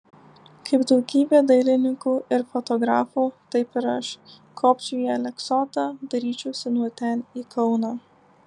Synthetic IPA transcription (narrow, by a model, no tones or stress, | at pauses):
kɐɪpd̪ɐʊɡʲiːbʲeːd̪ɐɪlʲɪnʲɪkuːʔɪɾfot̪ɔɡɾɑːfuːt̪ɐɪpɪɾɐʃ | kʰoːpʲt͡ʃʲujɛlʲɛksoːt̪ɑd̪ɐɾʲiːt͡ʃʲɛʊsʲɪnuɔt̪ʲɛniːkʰɐʊnɑː